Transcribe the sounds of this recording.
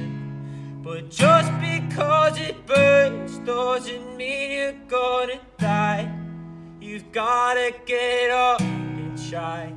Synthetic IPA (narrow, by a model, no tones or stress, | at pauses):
b̥ʌt̚d̥ʒ̥ʌsb̥ɨkʰʌzɨt̚b̥ɜstɔzɨnmijɨɡ̥ʌɾɨd̥aɪ | jɨvɡɑɾɨɡ̥ɛɾʌpɨ̃nʃaɪɪ